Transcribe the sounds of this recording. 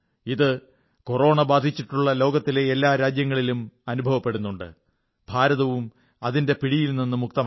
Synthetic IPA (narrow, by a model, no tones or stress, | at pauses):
iðɨ | koro̞ːɳɐbaːd̪ʱit͡ɕːiʈːuɭːɐlo̞ːɡɐt̪ːile̞ːlːaːɾaːd͡ʑjɐŋːɐɭilumɐnubʱɐʋɐpːe̞ɽunːuɳɖɨ̰ | bʱaːɾɐðɐʋum | ɐðinde̞piɽijilninːɨmuk̚t̪ɐm